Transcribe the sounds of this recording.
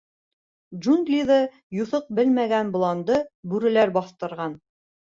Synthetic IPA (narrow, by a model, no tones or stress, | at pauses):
d͡ʒunɡ̪lʲiðɤ | juθɤq̚bɘlmæɡænblˠɑnd̪ɤbʉɾɘ̆læɾbɑθt̪ɤ̆ɾʁɑn